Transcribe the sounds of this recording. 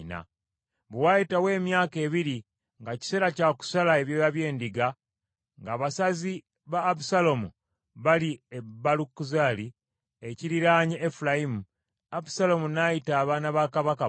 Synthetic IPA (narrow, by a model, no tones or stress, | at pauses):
na̰ | βuwajitawe̞ːmjaːke̞ːβiɾi | ŋɡaci̥se̞ːɾacaku̥salae̞βjeβaβje̞ːndiɡa | ŋɡaːβasazi | βaːβusalomu | βaliebalukːuzali | eciɾiɾaːɲiefulajimu | abu̥salo̞munajitaːβaːnaβaːkaβaka